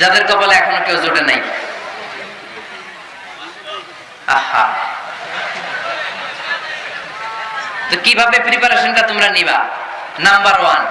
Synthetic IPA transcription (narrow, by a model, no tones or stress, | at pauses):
d͡ʑad̪eɾkɔboleɛkʰonokewd͡ʑoʈenaj | aha̰ | t̪okibʱabepɾipaɾeʃonʈat̪omɾaniβa̰ | nambaɾowan